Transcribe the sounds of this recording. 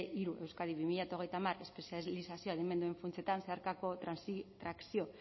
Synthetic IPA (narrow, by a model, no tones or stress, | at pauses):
ʔiɾuʔe̞wskaðiβimiʎat̪oɣe̞jt̪amare̞spesialisasioaðeme̞nd̪ue̞ɱfunt͡se̞t̪anseaɾkako̞t̪ɾansit̪ɾaksio̞